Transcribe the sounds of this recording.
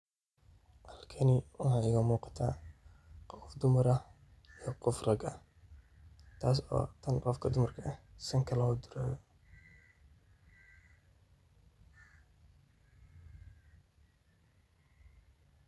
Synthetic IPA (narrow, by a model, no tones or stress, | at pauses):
hɐlkʰɐnɪwɑħaɪɣɐmuːqɑ̥t̪ʰaː | qɔfd̪ʊmɐɾɐ | ijɔqɔfrɐɡɐh | t̪ʰaːs̬ɔ̰ːt̪ʰɐnrɔfkʰɐd̪ʊmɐrkʰɐʔɐsɐŋkʰɐlɐhɔd̪ʊɾaːj